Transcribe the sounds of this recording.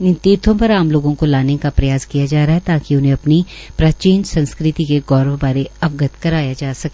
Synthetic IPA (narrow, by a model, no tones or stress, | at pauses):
nɪ̃nt̪iːɾt̪ʰõpɐɾaːmloːɡõkolaːnekapɾɐjaːskijad͡ʒaːɾaːɦɛt̪aːkiʊnɦẽɐpnipɾaːt͡ʃiːnsɐ̃nskɾɪt̪ikeɡɔːɾəʋbaːɾeɐʋɡət̪kɐɾaːjad͡ʒaːsɐkː